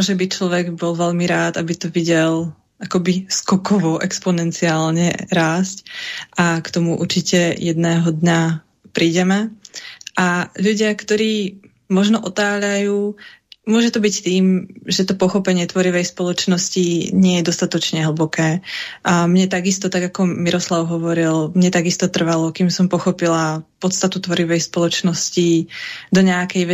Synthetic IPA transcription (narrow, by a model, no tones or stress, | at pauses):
ɔʒɛbit͡ʃlɔʋɛɡbɔlʋɛʎmiɾaːt̪abit̪ɔʋiɟɛl | akɔbiskɔkɔʋɔʔɛkspɔnɛnt͡siaːlɲɛ̰ɾaːscʔakt̪ɔmuʔṵɾt͡ʃicɛjɛd̪nɛːɦɔd̪ɲa | pɾiːɟɛmɛ | ʔaʎuɟɪakt̪ɔɾiː | mɔʒnɔʔɔt̪aːʎajuːmʊɔʒɛt̪ɔbict̪iːmʒɛt̪ɔpɔxɔpɛɲɪɛt̪ʋɔɾiʋɛjspɔlɔt͡ʃnɔsciɲɪɛjɛd̪ɔst̪at̪ɔt͡ʃɲɛɦl̩bɔkɛː | mɲɛt̪aɡist̪ɔt̪aɡakɔmiɾʔɔslaʊɦɔʋɔɾilmɲɛt̪aɡist̪ɔt̪r̩ʋalɔkimsɔmpɔxɔpilapɔt̪st̪at̪ut̪ʋɔɾiʋɛjspɔlɔt͡ʃnɔscid̪ɔɲɛakɛjʋɛ